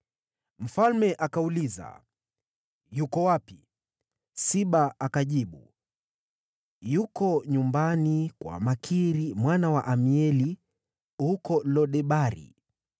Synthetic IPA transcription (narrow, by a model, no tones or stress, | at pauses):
m̩falmɛʔakauliza̰ | jukɔwapi | siɓaakaʄiɓṵ | jukɔɲumbanikwa̰makʰiɾimwanawaʔamiɛli | hukɔlɔɗɛɓaɾḭ